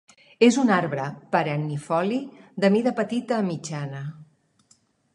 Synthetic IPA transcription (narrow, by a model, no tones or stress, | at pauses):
ezunaɾβɾəpəɾənːifɔlid̪əmiðəpət̪it̪əːmid͡ʒanə